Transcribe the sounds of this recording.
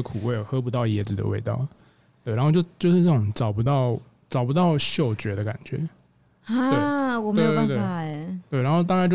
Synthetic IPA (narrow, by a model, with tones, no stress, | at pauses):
əkʰu˨˩we˥˩ɪjo˨˩ʊxɤ˧˥p̬u˧˥t̪ɑ˥˩ʊjɛ˧˥d͡zɹ̩˨˩d̪ə̰˧we˥˧ɪt̪ɑ̰˥˩ʊ | t̪we˨ɪɻa˧nxo˥˧jo˥˧˩t͡ɕjo˥˧ʊʂɻ̩˥˩nə˥˩ʈ͡ʂo˨˩ŋʈ͡ʂɑ˨˩ʊpu˧˦t̪ɑ˥˩ʊ | ʈ͡ʂɑ˨˩ʊpu˧t̪ɑ˥˧ʊɕjo˥˩ʊt͡ɕɥɛ˧˥˦d̪ə˧ka̰˨˩nt͡ɕɥɛ̰˧˥˦ | a˥we˥˩ɪwɔ˨˩mewe˥jjt̪wt̪we˥˩˥t̪we˥˩ɪɻa˧˦nxo˥˧ʊt̪a˥˧kt͡ɕj